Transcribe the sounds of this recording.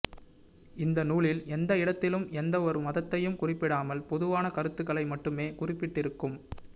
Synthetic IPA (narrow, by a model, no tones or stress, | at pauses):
ɪnd̪ɐnuːɭɪlɛnd̪ɐɪɽɐt̪ːɪlɯmɛnd̪ɐɔɾɯmɐðɐt̪ːɐjɯmkʊrɪpːɪɽaːmɐlpɔðɯʋaːnɐkɐɾɯt̪ːɯɣɐɭɐɪmɐʈːɯmeːkʊrɪpːɪʈːɪɾɯkːɯm